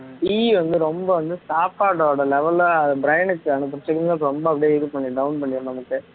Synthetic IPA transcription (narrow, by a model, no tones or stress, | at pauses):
ʈiːʋɐnd̪ɯɾɔmbɐʋɐnd̪ɯsaːpːaːʈoːɽɐlɛʋɛlɐðɐbɪɾɐjɐnɯkːɯɐnɐp̬ːɐɾɐt͡ʃːɐk̪ːapːɾɔmbɐɐpːɐɽijeːɪðɯpɐɳːiɖɐʊnpɐɳːɪɐnɐmɐkːɯ